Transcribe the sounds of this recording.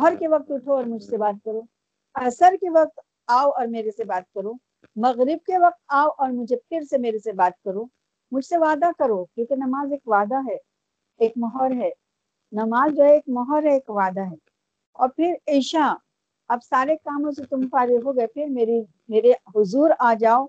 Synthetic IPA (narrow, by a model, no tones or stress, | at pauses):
ɦɔɾkeʋɐk̚t̪ʊʈʰoɔːɾmʊd͡ʒʱsebaːt̪̚kɐɾoː | ɐɾsəɾkeʋɐq̚t̪ | aːoɔːɾmeːɾesebaːt̪̚kɐɾõ | mɐɣɾɪb̚keʋɐq̚t̪aːoʔɔːɾmʊd͡ʒʱepʰɪɾsemeːɾesebaːt̪̚kɐɾõ | mʊd͡ʒʱseʋaːd̪akɐɾokjõːkenɐmaːzeːkʋaːd̪aɦɛː | eːkmɔɦɔːɾɦɛː | nɐmaːzd͡ʒoːɦɛeːkmɔɦɔːɾɦɛeːkʋaːd̪aɦɛː | ɔ̰ːɾpʰɪɾeːʃa | ɐbsaːɾekaːmõs̬et̪ʊmpaːɾeɦoɡɐepʰɪɾmeːɾi | meːɾeɦʊzuːɾaːd͡ʒaːo